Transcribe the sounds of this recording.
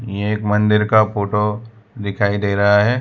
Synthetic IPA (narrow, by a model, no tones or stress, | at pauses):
jeːkmɐ̃nd̪ɪɾkapoːʈo | d̪ɪkʰaːid̪eːɾɐɦaɦɛː